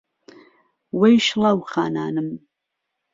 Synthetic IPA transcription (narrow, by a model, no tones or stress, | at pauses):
wejʃlawχa̰ːna̰ːnɨm